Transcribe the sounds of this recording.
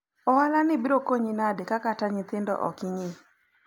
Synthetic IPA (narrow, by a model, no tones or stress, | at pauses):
ɔwalanɪbiɾokoɲinadɪkakataɲɪt̪ɪndɔ̰ʔɔ̰kɪɲɪ